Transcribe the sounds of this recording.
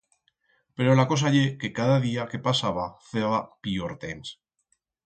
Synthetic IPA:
pe̞ɾo̞lako̞s̬aʎeke̞kaðaðiake̞pasaβaθeβapioɾt̪ens

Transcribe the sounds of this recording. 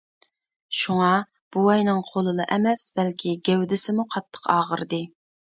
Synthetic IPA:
ʃuŋɑ | b̥uwɛjnɨŋqʰolˠɨlˠɨʔɛmɛsbɛlkʲʰiɡʲɛwd̪ɪsɪmuqʰɑt̪ʰːə̥qʰɑːʁəɾɨd̪ɨ

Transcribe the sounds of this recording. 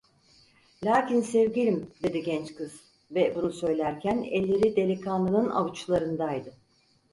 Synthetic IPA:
lʲaːcinsɛvɟilʲimd̪e̞d̪iɟɛnt͡ʃkʰɯz̥ | vɛbunusø̞jlʲæɾcʰænɛlʲːe̞ɾid̪e̞lʲikʰanlˠɯnɯna̰vut͡ʃlˠaɾɯnd̪ajd̪ɯ

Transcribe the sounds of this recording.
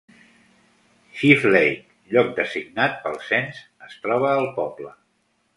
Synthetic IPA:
ʃiflejk | ʎɔk̚d̪əziɡ̚nat̪̚pəlˠsɛnz | əst̪ɾɔβ̞əːlˠpɔblə

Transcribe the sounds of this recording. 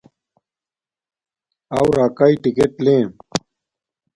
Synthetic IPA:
awɾaːkaiʈikeʈlẽː

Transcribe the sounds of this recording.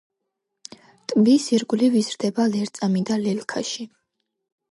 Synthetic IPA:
t̪ʼmbisiɾɡulivizɾd̪ɛbalɛɾt̪sʼamid̪alɛlkʰaʃi

